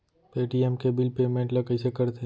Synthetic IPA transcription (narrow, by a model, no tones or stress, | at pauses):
peːʈiɛmkebɪlpeːmẽɳʈlɐkəɪsekɐɾt̪ʰe